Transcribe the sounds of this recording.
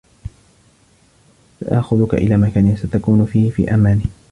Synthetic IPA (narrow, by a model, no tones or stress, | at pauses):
saʔa̰ʔxʊðʊka̰ʔɪ̰laːmakaːnɪnsat̪akuːnʊfiːhɪfḭːʔamaːnɪ